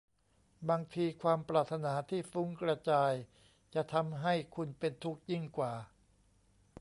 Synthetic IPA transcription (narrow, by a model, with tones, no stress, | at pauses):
baː˧ŋt̪ʰiː˧kʰwaː˧mpɾaː˨˩t̪ʰːa˧naː˩˦t̪ʰiː˥˩fu˦˥ŋkɾa˧t͡ɕaː˧j | t͡ɕa˨˩t̪ʰa˧mɦa˥˩jkʰu˧npe˧nt̪ʰu˦˥k̚ji˥˩ŋkwaː˨˩